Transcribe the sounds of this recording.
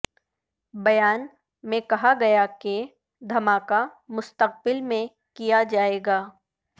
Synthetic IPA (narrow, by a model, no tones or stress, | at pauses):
bɐjaːn | mẽkɐɦaɡɐjake | d̪ʱɐmaːkamʊst̪əq̚bɪlmẽ | kijad͡ʒaːeːɡaː